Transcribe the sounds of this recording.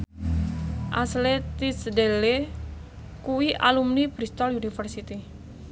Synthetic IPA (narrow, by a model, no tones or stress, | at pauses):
ʔa̰slet̪isdele | kuwiʔa̰lumnipɾist̪ɔlunifərsit̪i